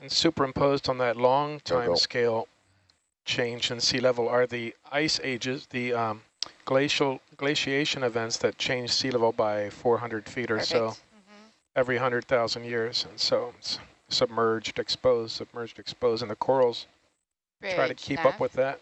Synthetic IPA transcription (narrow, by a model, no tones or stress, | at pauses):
n̩sʉpə˞ɨ̃mpʰoʊzdn̩ðɨtˡlɔ̃ŋtʰãɪ̃mskeɪlˠ | t͡ʃʰẽɪ̃nd͡ʒɨ̃nsilɛvl̩ˠə˞ðiaɪseɪd͡ʒɪzðiʌ | ɡ̥leɪʃl̩ˠɡ̥leɪʃieɪʃɨ̃nɨvɛ̃ntsðɨt̚t͡ʃʰẽɪ̃nd͡ʒ̥silɛvl̩ˠbaɪfɔɹɦʌ̃ndɹɨd̥fiɾə˞soʊ | ɛvɹiɦʌ̃ndɹɨ˞d̪̚θaʊzɨ̃ndjɪɹz̥ɨ̃nsoʊs | sɨb̚mɜ˞d͡ʒdɨkspoʊz̥sɨb̚mɜ˞d͡ʒdɨkspoʊzɨ̃nðɨkʰɔɹl̩ˠz̥ | tʰɹɹ̥aɪɾɨkʰipʌpwɨðæt̚